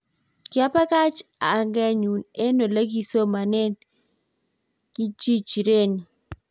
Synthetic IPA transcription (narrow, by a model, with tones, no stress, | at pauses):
kja˦pa˦ka˦t͡ʃa˨ŋɡɛ˦ɲu˨ne˦no˨le˦ɡi˦so˦ma˨nɛ˦n | ki˦t͡ʃi˦t͡ʃi˨ɾe˦ni˨